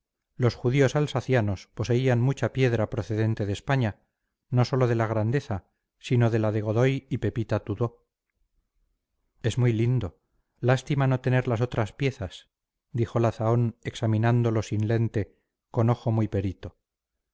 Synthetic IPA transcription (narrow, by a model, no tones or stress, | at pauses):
lo̞sxuðio̞salsaθjano̞spo̞se̞ianmut͡ʃapje̞ðɾapɾo̞θe̞ðe̞nt̪e̞ðe̞spaɲa | no̞so̞lo̞ð̞e̞laɣɾand̪e̞θa | sino̞ðe̞laðeɣ̞o̞ðo̞jipe̞pit̪at̪uðo̞ | e̞zmujlind̪o̞ | last̪imano̞t̪e̞ne̞ɾlas̬ot̪ɾaspje̞θas | d̪ixo̞laθao̞ne̞ksamĩnand̪o̞lo̞sinle̞nt̪e̞ | ko̞no̞xo̞mujpe̞ɾit̪o̞